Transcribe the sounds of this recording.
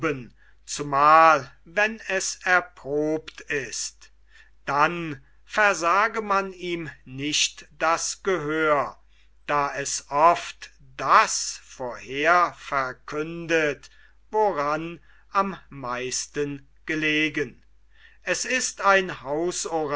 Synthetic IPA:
bən | t͡sumaːlvɛnɛsɛɐpʁ̥oːptɪst | d̥an | fɛɐzaːɡəmaniːmnɪʃtd̥asɡ̥əɦøːɐ | d̥aːʔɛsʔɔftd̥asfoːɐheːɐfɛɐkʰʏndət | voʁan | ʔamːaɪstən | ɡ̥əleːɡən | ʔɛsɪstaɪnhaʊsoʁ

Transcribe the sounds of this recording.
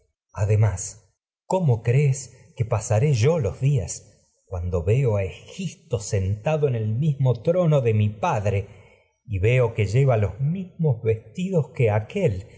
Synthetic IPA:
aðemas | komokɾeskepasaɾeʒo̞lozðias | kwand̪o̞βeoaexip̚t̪osent̪aðoene̞lmizmot̪ɾo̞noðemipaðɾe | iβe̞oke̞ʒe̞βalozmizmozβest̪iðoskeakel

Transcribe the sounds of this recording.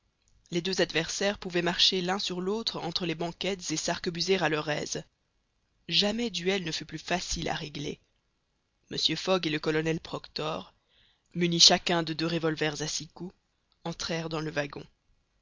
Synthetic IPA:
led̪øzad̪vɛʁsɛʁpuvɛmaʁʃelɛ̃syʁlot̪χɑ̃t̪χəlebɑ̃kʲɛt̪z̥esaʁkəbyzeʁalœʁɛ̰ːz | ʒamɛd̪yɛlnəfyplyfasila̰ʁeɡlḛ | məsjøfɔɡeləkɔlɔnɛlpχɔkt̪ɔʁ | myniʃakɛ̃d̪əd̪øʁevɔlvɛʁzasiku | ɑ̃t̪χɛʁd̪ɑ̃ləvaɡɔ̰̃

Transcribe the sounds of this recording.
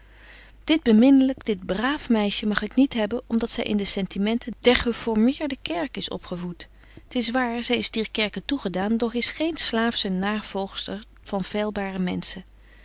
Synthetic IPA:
d̥ɪd̚bəmɪnələkd̥ɪd̚braːfmɛjʃəmɑχɪknitɦɛbənɔmdɑtsɛ̰jʔɪ̰ndəsɛntimɛntəd̥ɛɹχəfɔɹmɪːɹdəkɛɹkɪsɔ̰pχəvut | ətɪs̬ʋaːɹzɛjɪsdiːɹkɛɹkəntuχədaːndɔχɪsχejnslaːfsənaːv̥ɔlˠχstəɹ | v̥ɑnv̥eːlˠbaːrəmɛ̰nsə

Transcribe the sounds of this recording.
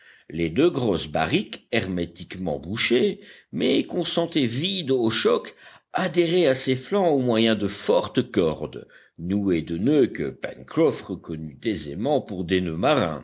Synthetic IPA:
led̪øɡʁɔsba̰ʁikɛʁmet̪ikmɑ̰̃buʃemɛkɔ̃sɑ̃t̪ɛvid̪oʃɔk | ad̪eʁeaseflɑ̃omwajɛ̃d̪əfɔʁt̪kɔʁd̪ | nued̪ənøkə̰pɛ̰̃nkχɔfʁəkɔnyt̪ezḛmɑ̃puʁd̪enømaʁɛ̰̃

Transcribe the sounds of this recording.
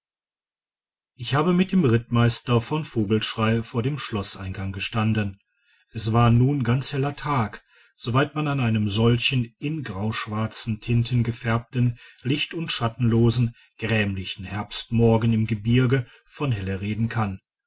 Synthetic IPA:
ʔɪçhaːbəmɪt̚d̥eːmʁɪtmaɪstɐfɔnfoːɡl̩ʃʁ̥aɪfoːɐdeːmʃlɔsʔaɪnɡaŋɡəʃtandən | ʔɛsv̥aːɐnuːnɡant͡shɛlɐtʰaːk | z̥ovaɪtmananaɪnəmzɔlçənʔɪnɡʁaʊʃv̥aɐt͡sn̩tʰɪntʰənɡəfɛɐp̚tən̩lɪçtʊntʃatn̩loːzn̩ | ɡ̥ʁɛːmlɪçn̩hɛɐpstmɔɐɡənɪmɡəbɪɐɡə | fɔnɦɛləʁeːdn̩kʰan

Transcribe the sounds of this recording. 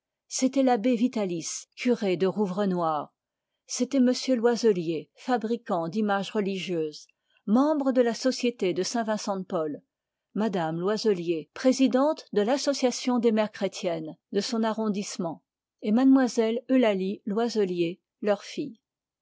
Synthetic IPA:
set̪ɛlabevit̪aliskʰʲyʁed̪əʁuvʁənwaːʁ | set̪ɛməsjølwazəljefabʁikɑ̃d̪imaʒʁəliʒjøːz | mɑ̃bʁəd̪əlasɔsjet̪ed̪əsɛ̃vɛ̃sɑ̃pɔl | mad̪amlwazəljepχezid̪ɑ̃t̪d̪əlasɔsjasjɔ̃d̪emɛʁkχet̪ʰjɛnd̪əsɔ̃naʁɔ̃d̪ismɑ̃ | emad̪mwazɛlølalilwazəlje | lœʁfij

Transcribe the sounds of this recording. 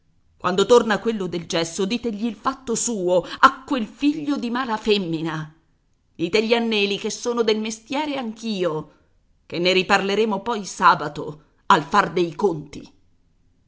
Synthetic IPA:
kwʔand̪ot̪ornakwelːod̪eld͡ʒɛsːod̪iːt̪eʎːiːlfat̪ːosuːoakːwelfiʎːod̪imaːlafemːina | d̪̥iːt̪eʎːianːɛːlik̟esːoːnod̪elmest̪jɛːɾeaŋk̟iːo | kenːeɾiparleɾeːmopɔjsaːbat̪o̰ | alfard̪ejkont̪ḭ

